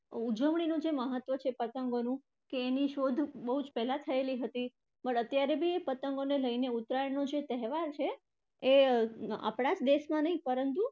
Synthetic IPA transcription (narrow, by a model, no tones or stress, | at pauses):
ud͡ʒəʋɳ̃inũd͡ʒeməɦət̪ʋət͡ʃʰepət̪əŋɡonũ | keːniʃod̪ʱbəɦud͡ʒpɛɦlat̪ʰəeliɦət̪i | pəɳət̪jaɾebʱiepət̪əŋɡoneləineut̪ɾajəɳnod͡ʒet̪əɦʋaɾt͡ʃʰeː | a̰pɽ̃ad͡ʒd̪eʃmãnəĩpəɾənt̪u